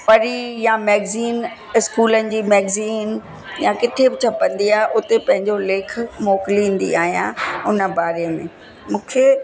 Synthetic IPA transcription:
pɐɾijãmɛːɡziːn | ɪskuːlənɪ̆d͡ʑiːmɛːɡziːn | jãkɪʈʰebɪt͡ɕʰɐpə̃nd̪iaːɦeʔʊt̪epɐ̃ɦɪ̃ɲd͡ʑoleːk̆ʰmɔːkɪlĩːn̆d̪ḭaːɦijã̰ʊnə̆baːɾejəmḛ̃ː | mũːkʰe

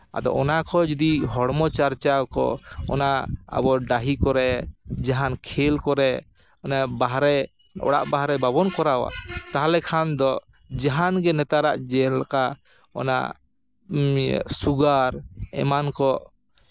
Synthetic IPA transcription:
a̰d̪ɔ̰ʔɔnakɔd͡ʒɔd̪iɦɔɽmɔt͡ʃaɾt͡ʃawkɔ̰ɔ̰naa̰bɔɖaɦikɔɾɛd͡ʒaɦankʰɛlkɔɾɛ | ɔnabaɦɾɛ | ɔ̰ɽa̰ʔbaɦɾɛbabɔnkɔɾawa̰ʔt̪aɦalɛkʰand̪ɔ | d͡ʒaɦanɡɛnɛt̪aɾaʔd͡ʒɛlka | ɔ̰na̰ | suɡaɾɛ̰mankɔ

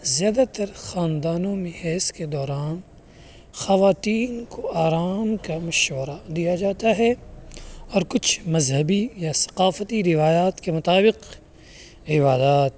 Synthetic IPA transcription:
zjaːd̪at̪ɐɾxaːnd̪aːnõmẽhɛːsked̪ɔːɾaːn | xɐʋaːt̪iːnkoaːɾaːmkamɐʃʋəɾad̪ijad͡ʒaːt̪aɦɛ | ɔːɾkʊt͡ʃʰmɐzɦəbijasɐ̥qaːfət̪iɾɪʋaːjaːt̪kemʊt̪aːbɪq | ɪbaːd̪aːt̪̚

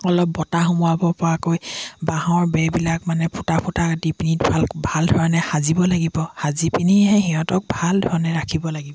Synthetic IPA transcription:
ɔlɔp̚ːɔtaxumuabɔpɔɹakojbaɦãɔɹbɛbilakmanɛpʰutapʰutakdipinit̚bʱalkbʱaldʱɔɹanɛxazibɔlaɡibɔhazipiniɦɛɦiɦɔ̃tɔk̚bʱaldʱɔɹanɛɹakʰibɔlaɡibɔ

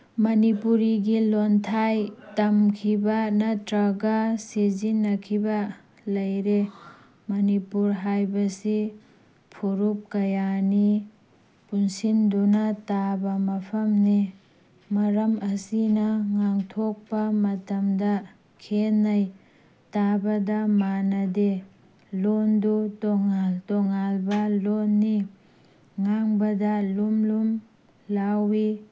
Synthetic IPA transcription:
mɐnipuɾiɡilontʰajtɐmkʰibɐnɐtɾaɡasezinːɐkʰibɐ | lɐjɾe | mɐnipuɾɦajbɐsi | pʰoɾup̚kɐjani | punsindonɐtabɐmɐpʰɐmne | mɐɾɐmɐsinɐŋaŋtʰok̚pɐmɐtɐmdɐ | kʰenːɐj | tabɐdɐmanɐde | londutɔŋaltɔŋalbɐlonːi | ŋaŋbɐdɐlumlum | lawi

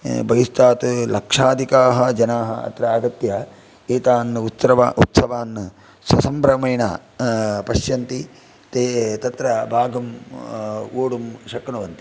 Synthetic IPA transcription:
bɐjist̪aːt̪lɐkʂaːd̪ʱikaːɦɐd͡ʒɐnaːɦɐɐ̰t̪ɾɐaːɡɐt̪jɐ | eːt̪aːnut̪sɾɐʋaːʔut̪sɐʋaːnː | sɐsɐmpɾɐmɐjɳɐ | pɐʃjɐnt̪i | t̪et̪ɐt̪ɾɐbʱaːɡɐm | oːɽumʃɐkɐnuʋɐnt̪i

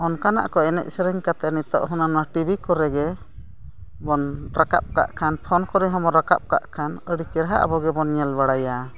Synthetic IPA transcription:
ɔnkana̰ʔkɔɛnɛ̰ʔ̚sɛɾəɲkat̪ɛnit̪ɔ̰ʔɦunanaʈibʱikɔɾɛɡɛ | bɔnɾaka̰p̚ka̰ʔkʰanpʰɔnkɔɾɛɦɔmɔɾaka̰p̚ka̰ʔkʰanəɽit͡ʃɛɾɦaʔa̰bɔɡɛbɔnɲɛlbaɽaja

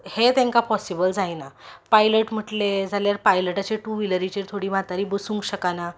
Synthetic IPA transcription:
het̪ẽŋkapɔsibəld͡zajnapajləʈm̤əʈled͡zʱaljaɾpajləʈat͡ɕeʈuʋiləɾit͡ɕeɾt̪ʰoɽiːm̤at̪aɾiːbəsũŋkɕəkana

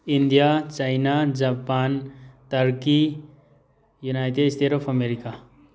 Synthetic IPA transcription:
ind̪ijat͡ʃajnad͡ʒapant̪əɾki | junajʈeɖst̪ʰeɾopʰəmeɾika

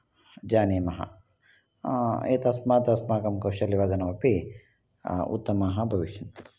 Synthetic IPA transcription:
d͡ʒaːneːmɐɦɐ̰ | eːt̪ɐsmaːt̪ɐsmaːkɐmkɐwʃɐliʋaːd̪ɐnɐʋɐpe | ṵt̪ːɐmaːɦɐbʱɐʋiʃɐn

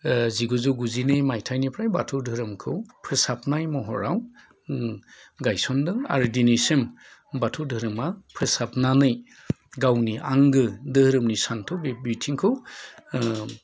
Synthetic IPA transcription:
ziɡuzɯwɡuzinɯjmajtʰajnipʰɾajbatʰɯwdʱɯɾɯmkʰɯwpʰɯsapnajmɔɦɔ̰ɾaw | ɡajsɔndɯŋa̰ɾɯdinisem | batʰɯwdɯɾɯmapʰɯsapnanɯj | ɡawniʔaŋɡɯdɯhɾɯmnisantʰɯwbbutʰiŋkʰɯw

